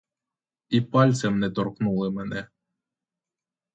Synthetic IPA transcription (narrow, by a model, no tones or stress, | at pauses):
ipɑlʲt̪sɛmnɛt̪ɔɾknulˠɨmɛnɛ